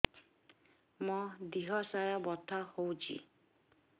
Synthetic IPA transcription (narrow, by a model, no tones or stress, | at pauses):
mɔd̪iɦɔsajɔbɔt̪ʰahowt͡ʃʰḭ